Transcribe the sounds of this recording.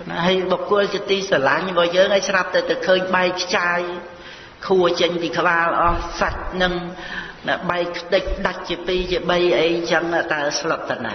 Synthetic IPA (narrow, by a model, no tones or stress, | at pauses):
nɦəjɓokʊ̆əlt͡ɕiət̪iːsalaɲɓɑhjəːŋʔajsrap̚t̪awt̪awkʰəːɲɓaɛkʰːt͡ɕaːj | kʰuət͡ɕəɲpiːkʰə̆ɓaːlʔɑhsat̚nɨŋnaɓaɛkʰːt̪ɨc̚ɗac̚t͡ɕiəpiːt͡ɕiəɓəjʔəjt͡ɕəŋat̪aɛslət̪̚ːana̰